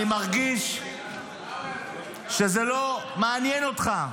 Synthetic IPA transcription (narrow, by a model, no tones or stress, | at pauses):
imaʁɡiʃ | ʃezelo̞maːnjeno̞tχa